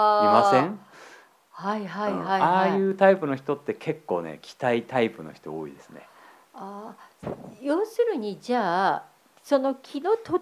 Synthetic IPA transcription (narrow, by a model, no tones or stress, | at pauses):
aimasẽŋ | haiɦaihaiaːajɯ̟ːt̪aipɯ̟no̞çi̥t̪o̞t̪ːe̞kʰe̞kːo̞̰ːnḛkʲʰi̥t̪ait̪aipɯ̟no̞̰çi̥t̪o̞̰o̰ːḭd̪e̞sɨne̞̰ | aː | jo̞ːsɨɾɯ̟ɲ̟id͡ʑaː | so̞no̞kʲʰino̞t̪o